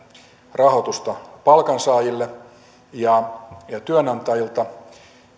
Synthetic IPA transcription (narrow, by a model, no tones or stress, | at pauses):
rɑhot̪ust̪ɑpɑlkɑnsɑːjilːe | jɑjɑt̪yønɑnt̪ɑjilt̪ɑ